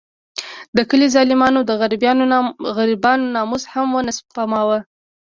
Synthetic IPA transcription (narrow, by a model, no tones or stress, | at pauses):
d̪əkəlizɑlɪmɑnod̪əɣaɾbjɑnoɣaɾibɑnonɑmuzhamwənasbpamɑwə